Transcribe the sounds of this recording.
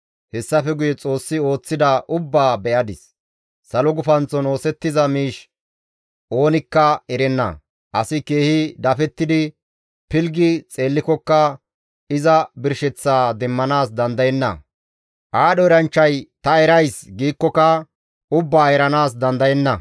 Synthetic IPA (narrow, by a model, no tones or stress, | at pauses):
hɛsːɐfɛɡʊjɛt͡sʼo̞ːsːɪo̞ːt͡sːɪd̪ɐʔʊbːaːbɛʔɐd̪ɪsː | ɐlɔɡʊfɐnt͡sːɔno̞ːsɛt̪ːɪzɐmiːʃ | ʔo̞ːnɪkːɐɛɾɛnːɐ̰ | ʔɐsɪke̞ːhɪd̪ɐfɛt̪ːɪd̪ɪ | pɪlɡɪt͡sʼe̞ːlːɪkɔkːɐ | ɪzɐbɪɾʃɛt͡sːaːd̪ɛmːɐnaːs̬d̪ɐnd̪ɐjɛnːɐ̰ | ʔaːɗɔɛɾɐnt͡ʃːɐjt̪ɐɛɾɐjsɡiːkːɔkɐ | ʊbːaːɛɾɐnaːsd̪ɐnd̪ɐjɛnːɐ